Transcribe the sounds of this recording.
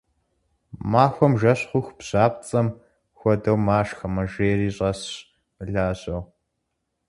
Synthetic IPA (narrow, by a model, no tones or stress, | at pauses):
maːxʷɔmʒɐɕχʷʊxbɕaːpt͡sʼɐm | xʷɔdɐwmaːʂxɐmɐʒeːɾiːɕʼɐɕ | ɨɮaːʑɐw